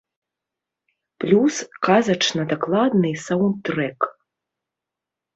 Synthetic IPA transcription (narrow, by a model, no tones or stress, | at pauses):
plʲuskazɐt͡ʂnɐd̪aklˠad̪nɨjsawnt̪ɾɛk